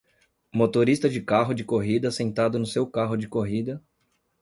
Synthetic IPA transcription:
mot̪oɾist̪ɐd͡ʒɪkaɦʊd͡ʒɪkoɦid̪ɐsẽnt̪ad̪ʊnʊsewkaɦʊd͡ʒɪkoɦid̪ɐ

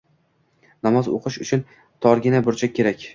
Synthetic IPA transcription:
nɒmɒzo̰qʰɨʃʊt͡ʃʰʊn | t̪ʰɒɾɡʲɪnabʊɾt͡ʃʰakʲʰe̞ɾakʲ

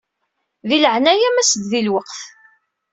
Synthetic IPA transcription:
ðiləʕnæjæmæsd̪ðilwəqθ

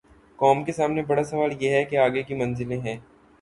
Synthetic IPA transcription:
kɔːmkesaːmnebɐɽasɐʋaːljeɦɛkeaːɡekimɐ̃nzɪlẽɦɛ̃ː

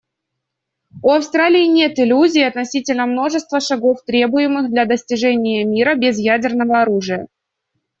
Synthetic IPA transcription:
uɐfst̪ɾalʲɪɪnʲe̞t̪ɪlʲuzʲɪːɐt̪nɐsʲitʲɪlʲnəmno̞ʐɨst̪vəʂɐɡo̞ft̪ɾʲe̞bʊjɪmɨxd̪lʲad̪əsʲtʲɪʐɛnʲɪjəmʲiɾəbʲɪzjædʲɪrnəvəɐɾuʐɨjə

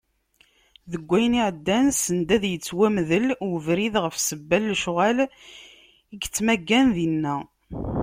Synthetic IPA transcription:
ðəɡʷːæjniʕəd̪ːænsənd̪æðjət͡sːwæmðəlwəvɾiðʁəfsəbːælːʃʁæl | iɡt͡sːmæɡːænðinːæ

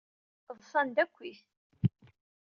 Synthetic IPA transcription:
ðˤsˤɑnd̪ækʷːiθ

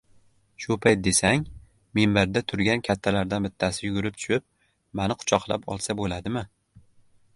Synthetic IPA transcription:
ʃʊpʰajt̪̚d̪e̞saŋ | membaɾd̪at̪ʰʊɾɡʲankʲʰat̪ʰːalaɾd̪anbɪt̪ʰːasɪjʊɡʲʊɾɪp̚t͡ʃ̪ʰʊ̥ʃɪp̚ | manɪqʰʊ̥t͡ʃʰɒqlˠa̰pɒ̰lˠsabolad̪ɪmɪ

